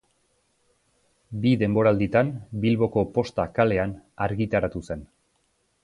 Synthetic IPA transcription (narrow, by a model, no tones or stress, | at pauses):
biðe̞mbo̞ɾald̪it̪anbilβo̞ko̞po̞st̪akale̞anaɾɣit̪aɾat̪use̞n